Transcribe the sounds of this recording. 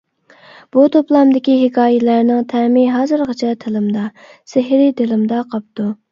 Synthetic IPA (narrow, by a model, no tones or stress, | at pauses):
b̥ut̪ʰoplˠɑmd̪ɪkʲiɦɪkʰɑːjɪlæɾnɪŋt̪ʰæmɪɦɑːzɨɾʁɑt͡ʃʰɛt̪ʰelɪmd̪ɑ | sɪɦɾɪd̪ɪlɪmd̪ɑqʰɑp̚t̪u